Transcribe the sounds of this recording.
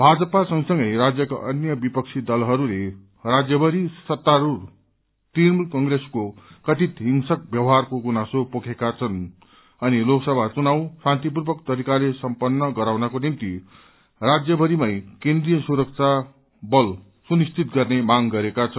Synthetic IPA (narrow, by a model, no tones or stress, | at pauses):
bʱad͡zʌpasʌŋsʌŋɡʌjɾad͡zjʌka̰ʔʌnjʌbipʌk̚t͡sʰid̪ʌlɦʌɾule | rad͡zjʌbʌɾisʌt̪ːaɾur | t̪imulkʌŋɡɾeskokʌt̪it̪ɦiŋsʌk̚bjʌwɦarkoɡunasopokʰekat͡sʰʌn | ʌniloksʌbʱat͡sunaw̃sãnt̪ip̬urbʌkt̪ʌɾikalesʌmpʌnːʌɡʌɾawnʌkonimt̪i | rad͡zjʌbʌɾimajkẽnd̪rijʌsuɾʌk̚t͡sʰa | bʌl | sunist̪it̪ɡʌrnemaŋɡʌɾekat͡sʰʌn